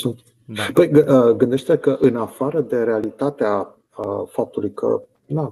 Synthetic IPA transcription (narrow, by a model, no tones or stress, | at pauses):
sut̪ | pəjɡɨəɡɨnd̪e̞ʃt̪eekəʔɨnafaɾəd̪e̞ɾe̞alit̪at̪ea | əfap̚t̪ulujkʰə̰ | d̪a